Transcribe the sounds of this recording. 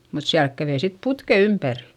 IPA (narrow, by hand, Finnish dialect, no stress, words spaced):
mut siælk kæʋei sit putke ympæri̥